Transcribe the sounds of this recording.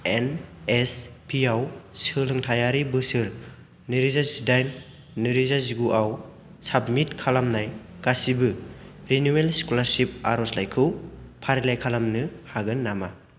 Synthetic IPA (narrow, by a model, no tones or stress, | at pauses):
enespʰiawsɯlɯŋtʰajaɾibɯsɯɾ | nɯɾizazidajn | nɯɾizaziɡuʔaw | sabmit̚kʰalamnaj | kasibɯɾinuwelsi̥kulaɾsip̚aɾɔslajkʰɯwpʰaɾilajkʰalamnɯhaɡɯnːama